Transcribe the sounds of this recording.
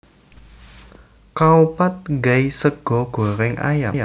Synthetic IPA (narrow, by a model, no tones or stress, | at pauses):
kaupat̪̚ŋɡɛjsəɡ̥ɔ̤ɡ̥o̤ɾɪŋʔa̰jaa